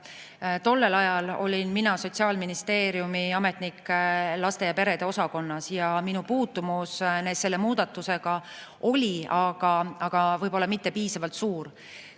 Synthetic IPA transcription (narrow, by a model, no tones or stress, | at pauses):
t̪o̞lːe̞lɑjɑlo̞̰lʲinminɑso̞t̪ʲsiɑːlminist̪e̞ːɾijumiɑme̞t̪ˑnikːlɑst̪e̞jɑpe̞ɾe̞d̪̥e̞o̞sɑko̞nːɑsjɑminupuːt̪ːumusne̞ːd̪se̞lːe̞muːd̪̥ɑt̪ːˑuse̞ɡ̥ɑ | o̞lʲiɑɡ̥ɑɑɡ̥ɑvɤjbo̞lːɑmit̪ːe̞piːsɑvɑlt̪suːɾ